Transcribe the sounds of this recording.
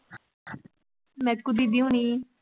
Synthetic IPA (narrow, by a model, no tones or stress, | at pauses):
mɛ̃ːkʊd̪iːd̪iũːniː